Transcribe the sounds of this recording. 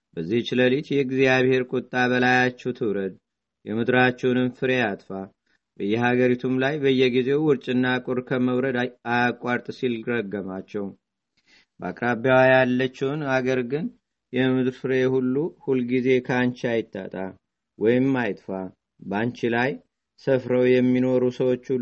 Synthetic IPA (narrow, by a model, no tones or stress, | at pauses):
bəzːiht͡ʃləlit̪jɛɡziaβhe̞ɾkʼut̪ʼːabəlajat͡ʃːɛwt̪ʰɨwɾəd̪ | jɛmɨd̪ɾat͡ʃːɛwnɨnfɨɾe̞at̪ʼfa | bəjːɛɦaɡəɾit̪ʰumlajbəɨjːɛɡize̞wʊɾt͡ʃʼɨnːakʼʊɾkʰəməwɾəd̪ajajakʼːaɾt̪ʼsilɾəɡːəmat͡ʃːɛw | bəa̰kʼɾabjawajalːət͡ʃːɛwnhaɡəɾɡɨn | jɛmɨd̪ɾfɨɾe̞hulːuhulɡize̞kʰant͡ʃajɪt̪ʰʼːa̰t̪ʼa | wʔɔjɪmːajt̪ʼfa | bant͡ʃilaj | səfɾəwjɛmːino̞ɾusəwo̞t͡ʃː